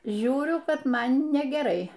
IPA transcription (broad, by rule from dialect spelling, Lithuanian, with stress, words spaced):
ˈʒʲuːrʲʊ ˈkɐt ˈmɐn nʲɛɡʲɛˈrɐɪ